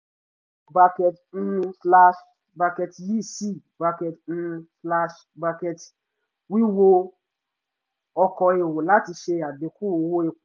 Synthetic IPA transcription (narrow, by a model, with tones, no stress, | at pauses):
ba˧kɛ˨tn̩˧fla˧ʃ | ba˧kɛ˧tji˦˨si˦˨ba˧kɛ˨tn̩˧fla˧ʃ | ba˧kɛ˧t | wi˦wo˧ | ɔ˧kɔ˧e˨wo˨la˦ti˧ʃe˧˨a˨be˨˦ku˦˨o˧wo˧e˨